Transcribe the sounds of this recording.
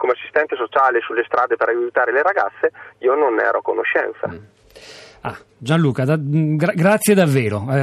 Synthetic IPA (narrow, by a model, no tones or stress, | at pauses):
komeasːist̪ɛnt̪esot͡ʃaːlesulːest̪ɾaːd̪epeɾʔajut̪aːɾeleɾaɡa̰t̪sːeiːononɛ̰ːɾokonoʃːɛ̰nt̪sa̰ | a̰ | d͡ʒanluːkad̪aɡɾaɡɾat̪sːjed̪avːɛːɾoɛ